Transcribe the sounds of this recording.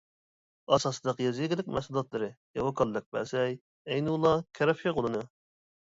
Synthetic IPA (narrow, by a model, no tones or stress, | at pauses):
ɑsɑsɨd̪ɑqjɛziɡʲɪlɪk̚ʲmɛ̰sulˠɑt̪lˠɨɾɨ | ewɑkʰɑlˠːɨk̚bæ̰sɛj | ɛjnɨlˠːɑkʲʰɛɾɑfiqʰolˠɨnɨ